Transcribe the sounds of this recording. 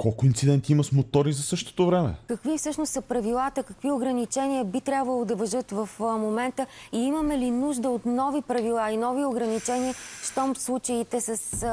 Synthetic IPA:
kɔlˠkʊint̪sid̪ɛnt̪iimɐsmot̪ɔɾizɐsɤʃt̪o̥t̪ovɾɛmɛ̰kəkvifsɤʃnost̪sɐpɾɐvilˠat̪əkəkvioɡɾɐnit͡ʃɛniəbit̪ɾʲjabvəlˠod̪ɐvɐʒɤt̪vɐfmomɛnt̪əiiməmɛlinuʒd̪əot̪nɔvipɾɐvilˠainɔvioɡɾɐnit͡ʃɛniəʃt̪ɔmslˠut͡ʃəit̪ɛsəs

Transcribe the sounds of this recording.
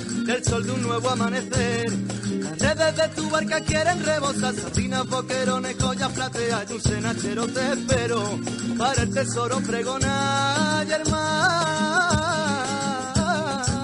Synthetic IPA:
d̪elso̞ld̪unːwe̞βoamãne̞θeɾlasre̞ðe̞ðe̞t̪uβaɾkakjeɾe̞nre̞βo̞sasaɾðinaβo̞ke̞ɾo̞nekoʎafɾat̪eaʎunse̞nat͡ʃe̞ɾot̪espe̞ɾo | paɾelt̪e̞so̞ɾompɾe̞ɣ̞o̞naʝeɾma

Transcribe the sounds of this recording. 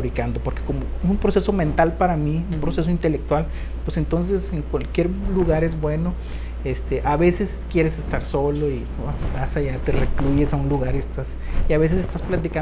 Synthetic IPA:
ɾikand̪o̞po̞ɾkeko̞moesumpɾo̞se̞so̞mẽnt̪alpaɾamiumpɾo̞se̞s̬o̞int̪e̞le̞k̚t̪wal | pwese̞nt̪o̞ns̬ese̞ŋkwalkje̞ɾluɣaɾe̞zbwe̞no̞ | est̪eʔaβe̞se̞skje̞ɾe̞sest̪aɾso̞lo̞i | babasaʝat̪erekluʝe̞saunluɣaɾiest̪as | iaβe̞s̬e̞sest̪asplat̪ika

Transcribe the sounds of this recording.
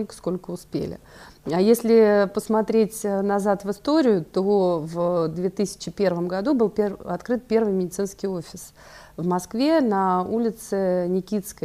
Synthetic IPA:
lʲkə̥sko̞lʲkəʊspʲḛlʲɪ̰ajesʲlʲɪpəsmɐt̪ɾʲetʲnɐzat̪vɨst̪o̞ɾʲɪjʊt̪ovd̪vʲe̞t̪ɨsʲɪ̥t͡ɕɪpʲe̞rvəmɡɐd̪ubɨlˠpʲeɐt̪kɾɨt̪̚pʲervɨjmʲɪdʲɪt̪sɨnskʲɪjofʲɪs | vmɐskvʲenɐulʲɪt̪sɨnʲɪkʲit̪skə

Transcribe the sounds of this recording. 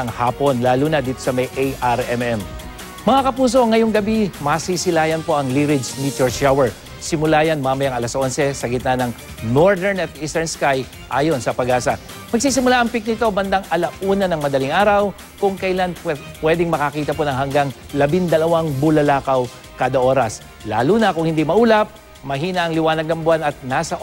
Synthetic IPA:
nɐŋhaːpo̞nlaːluːnɐd̪iːt̪o̞sɐmɐjʔejʔaɾɛmɛm | mɐŋakɐpuːs̬o̞ŋɐjo̞ŋɡɐbimɐsisɪlaːjɐnpo̞ʔɐŋliɾɪd͡ʒnit̪joɹʃawɛɹ | sɪmʊlaːjɐnmamɐjɐŋɐlɐsʔonsɛsɐɡɪt̪nɐnɐŋnoɹd̪ɛɹnɐt̪̚ʔist̪ɛɹnskaj | ʔaːjo̞nsɐpɐɡaːsɐ | mɐɡ̚siːsɪmʊlaʔɐŋpɪk̚nɪt̪o̞bɐnd̪aŋʔɐlɐʔuːnɐnɐŋmɐd̪ɐlɪŋʔaːɾɐw | kʊŋkɐɪlanpwɛd̪ɪŋmɐkɐkiːt̪ɐponɐŋɦɐŋɡaŋ | lɐbind̪ɐlɐwaŋbʊlɐlaːkɐw | kaːd̪ɐʔo̞ːɾɐs | la̰ːlunɐkʊŋhɪnd̪imɐʔuːlɐp̚ | mɐɦiːnɐʔɐŋlɪwaːnɐɡ̚nɐŋbʊanɐt̪̚naːsɐʔ

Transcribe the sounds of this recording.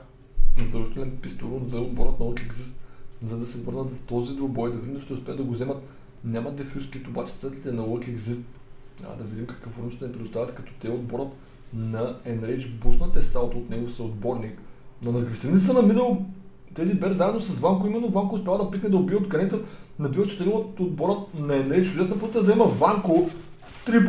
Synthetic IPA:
ɾɐzd̪əlˠʒit̪ɛlʲɛnpist̪oɾunzɐod̪̚boɾət̪̚nɐəkʲɛɡzist̪zɐd̪ɐsɛvɤɾnət̪vɐft̪ɔzid̪vobɔjd̪ɐvid̪imnd̪ʃt̪ɛʊspʲɛɐd̪d̪ɐɡozɛmɐt̪ | nʲamɐd̪ɛfyskit̪ːbat͡ʃɛ̥ət̪lʲit̪ɛnɐəkʲɛɡzist̪ɐ̰d̪ɐvid̪imkɐ̥kvəfvoɾnuʃt̪ɐnɛpɾɛd̪ʊst̪avʲɐt̪kɐt̪ɔ̥t̪ɛod̪̚boɾət̪ | nɐɛnɾɛt͡ʃbuʃnɐt̪ɛsalˠt̪ot̪nɛɡosəod̪bɔɾniknɐnɐɾɡɾʲisɾʲinit̪sənɐminɐlˠ | t̪ɛzibɛɾzaɛd̪nosɐsvaŋkoimɛnːovaŋkoʊːspʲjavˠɐd̪ɐpik̪nɛd̪ɐobiəod̪ɡɐnɛt̪ənɐbivət͡ʃɛ̥t̪ɛɾimt̪od̪bɔɾət̪nɐɛnɾɛt͡ʃt͡ʃʊd̪ɛsnɐpot̪iəd̪ɐzɛmɐvaŋko | t̪ɾip

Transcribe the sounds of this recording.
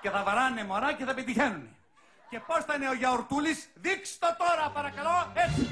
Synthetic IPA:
ce̞θɐvɐɾɐnunemoɾɐce̞θɐpet̪içe̞nune̞ | ce̞po̞sθɐineoʝɐoɾt̪ulisðikst̪ot̪o̞ɾɐpɐɾɐkɐlo̞et͡si

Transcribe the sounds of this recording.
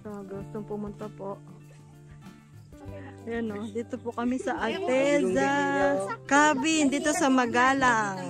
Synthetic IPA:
soɡust̪oŋpʊmʊnt̪ɐpoʔ | jɐnod̪iːt̪opʊkɐmisɐʔɐlt̪ɛza | kaːbɪnd̪iːt̪osɐmɐɡaːlaŋ

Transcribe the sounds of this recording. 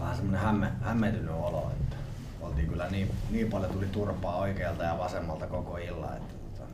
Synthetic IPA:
ʋæhæsemːonehæmːehæmːet̪ynyolo̰ḛt̪ːæ̥ | olt̪iːŋkylːæniːniːpɑljot̪ulit̪urpɑːoikeːlt̪ɑjɑʋɑsemːɑlt̪ɑkokoilːɑ̰ḛt̪ːæ̥t̪ŭot̪ɑ

